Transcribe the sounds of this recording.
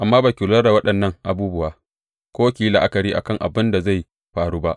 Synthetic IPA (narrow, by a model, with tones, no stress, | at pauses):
ʔa˨mːaː˦baː˨kʲɪ˨lɐ˦da˨wɐ˦ɗɐ˨nːɐ˦ŋʔa˨buː˦bʊ˦waː˨ | kʷoː˦kʲiː˦la˨ʔa˦kɐ˨ɾiː˦ʔa̰˨kɐ˦˨ŋʔa̰˨bɪ˦nda˨za˦˨j | ɸaː˨ɽuː˦ba˦ʔ